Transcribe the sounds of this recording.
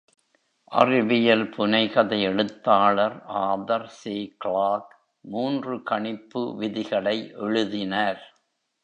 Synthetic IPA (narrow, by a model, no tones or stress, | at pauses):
ʔɐ̰rɪʋɪjɐlpʊnɐɪɣɐðɐɪɛɻɯt̪ːaːɭɐɾʔaːðɐɾseːkɭaːk | muːndrɯkɐɳɪpːɯ̰ʋɪðɪɣɐɭɐɪʔɛɻɯðɪnɐɾ